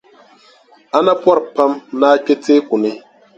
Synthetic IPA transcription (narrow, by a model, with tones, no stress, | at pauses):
a˦na˦pɔ˦ɾpa˦mnaː˦k͡pʲe˦te˦ku˨nɪ˦